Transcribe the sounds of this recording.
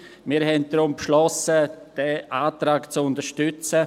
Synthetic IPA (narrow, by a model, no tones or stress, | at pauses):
miːɾɦɛnt̚d̪̥ɾʊmpʃlɔsəd̥ɛʔaːtɾaːkt͡sʊndəʃtʏt͡sə